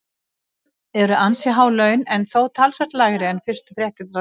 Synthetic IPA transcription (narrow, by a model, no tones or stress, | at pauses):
ɛɾʏʔansjɛɦaːwlœɥnɛnθowt̪ʰalsɛɾ̥t̪laːɣɾɪɛnfɪst̪ʏ̥fɾjɛht̪ɪt̪ɾa